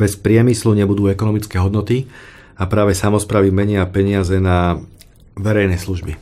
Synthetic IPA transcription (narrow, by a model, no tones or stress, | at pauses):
bɛspɾɪɛmisluɲɛbud̪uːɛkɔnɔmit͡skɛːɦɔd̪nɔt̪i | apɾaːʋɛsamɔspɾaːʋimɛɲɪapɛɲɪazɛna | ʋɛɾɛjnɛsluʒbi